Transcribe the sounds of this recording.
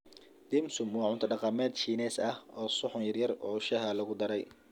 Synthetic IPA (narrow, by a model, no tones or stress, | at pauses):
d̪̥ɪmsʊmwɑːʕʊnt̪ʰɐɖɑqɑmɛːd̪ʃiːnɛːsɐhʔɔːsʊħʊnjɐrjɐrɔːʃɐɦɐlɐɣʊd̪ɐɾɛj